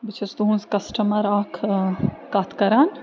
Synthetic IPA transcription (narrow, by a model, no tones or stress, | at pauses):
bt͡ʃʰɐst̪uɦũnskɐsʈɐmɐɾaːkʰkat̪ʰkɐɾaːn